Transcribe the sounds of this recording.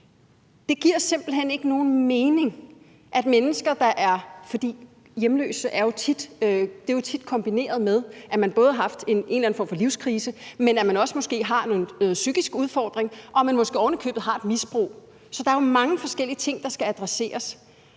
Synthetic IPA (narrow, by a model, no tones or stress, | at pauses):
d̥e̝ɡ̥iɐ̰se̝m̰b̥l̩ɦene̝ɡ̥əno̝ːn̩me̝ːne̝ŋ | ʔæd̥menəsɡ̥ɐd̥ɑ̈ʔæɐfɒ̽d̥ḭː | jemlø̰ːsəʔæɐjo̝t͡sʰid̥ød̥e̝jo̝t͡sʰid̥̚kʰɒ̽mb̥ine̝̰ːɐð̞̩ˠmeð̞ˠʔæmænb̥ɔ̽ːð̞ˠɑhɑ̈fd̥e̝ne̝̰nlæn̩fɒ̰ːmfɒ̽liʊskʰʁiːsəmenæmænɒ̽səmɒ̽sɡ̥e̝̰ːɦɑ̈no̝ːðn̩nɔ̽ːð̩ˠsyɡ̥isɡ̥uðˠfɒ̰ːd̥ʁeŋʔɒ̽æmænmɒ̽sɡ̥e̝̰ːɒʊnəkʰø̰ːb̥ð̩ˠɦɑ̈e̝d̥misb̥ʁo̰ː | sɒ̽d̥ɑ̈æɐjo̝mɑ̈ŋəfɒ̽sɡ̥el̰iət͡sʰe̝ŋ̰d̥ɑ̈sɡ̥ææd̥ʁase̝̰ːɐs